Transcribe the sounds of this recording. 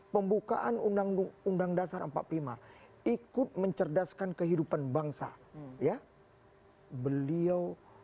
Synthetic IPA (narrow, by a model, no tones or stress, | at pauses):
pəmbuka̰ʔanuaŋundaŋdasarəmpa̰t̪̚plima | ikʊt̪̚məɲt͡ʃərdaskankəɦidupanbaŋsa̰ja | bəliaw